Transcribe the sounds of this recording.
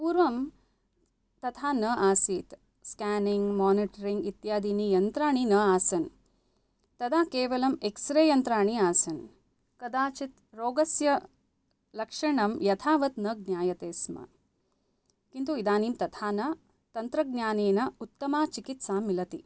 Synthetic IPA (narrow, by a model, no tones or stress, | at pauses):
puːɾʋɐm | t̪ɐt̪ʰaːnɐʔaːsiːt̪ | skaːniŋɡmaːniʈɐɾiŋɡit̪jaːd̪iːnijɐnt̪ɾaːɳinɐaːsɐn | t̪ɐd̪aːkeːʋɐlɐmeksɾeːjɐnt̪ɾaːɳiaːsɐn | kɐd̪aːt͡ʃit̪ | ɾoːɡɐsjɐ | lɐkʂɐɳɐmjɐt̪ʰaːʋɐt̪nɐɡ̚njaːjɐt̪eːsmɐ̰ | kint̪uid̪aːniːmt̪ɐt̪ʰaːnɐ | t̪ɐnt̪ɾɐɡ̚njaːneːnɐut̪ːɐmaːt͡ʃikit̪saːmːilɐt̪i